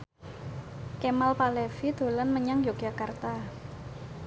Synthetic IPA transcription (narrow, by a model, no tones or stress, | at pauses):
kemalpalɛfid̪̥o̤lanməɲaŋd͡ʒaɡ̥̚ʒ̥akart̪a